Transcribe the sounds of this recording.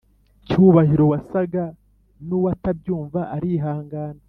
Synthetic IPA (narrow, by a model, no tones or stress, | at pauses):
cuβahiɾo̞wasaɡa | nuwatab̚ɟuːɱvaʔaɾiɦaːŋɡaːna